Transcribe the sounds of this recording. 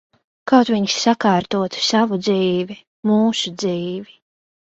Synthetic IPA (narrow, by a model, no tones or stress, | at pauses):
kawt̪viɲsːakaːɾt̪uɔt̪savud̪ziːvi | muːsud̪ziːvi